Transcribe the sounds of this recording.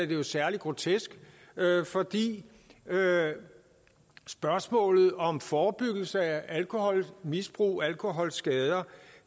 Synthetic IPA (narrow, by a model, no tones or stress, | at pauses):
æɐd̥e̝jo̝sæɐliɡ̥ʁo̝t͡sʰesɡ̥ | øfɒ̽d̥ḭː | ø | sb̥ɶɐsmɔ̰̽ːlð̩ˠɒ̽mfɒːb̥yɡ̥l̩səæʔælkʰo̝hɒ̽lmisb̥ʁṵːælkʰo̝ɦɒ̽l̰sɡ̥ɛːð̞ˠɐ